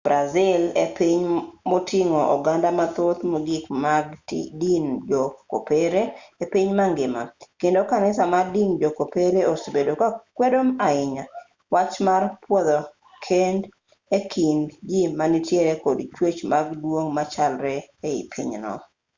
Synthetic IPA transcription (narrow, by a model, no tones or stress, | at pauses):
b̥ɾazɪlepiɲmotʰɪŋoʔɔ̰ɡandamat̪ot̪moɡɪkmaɡtdind͡ʒɔko̰peɾeepiɲmaŋɡɪmakendokanɪsamadind͡ʒokopeɾeosbedokakwedomaɪɲa | wat͡ʃmarpwɔd̪ɔ | kʰend | ekʰind͡ʒimanitjeɾekodt͡ʃwet͡ʃmaɡdwoŋmat͡ʃalɾɛeɪ̰pʰḭɲnɔ̰